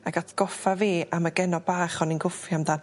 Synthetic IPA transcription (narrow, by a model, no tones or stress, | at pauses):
aɡatʰɡ̥ɔfaviːʔaməɡɛnɔbaːχɔninɡʊfjamdan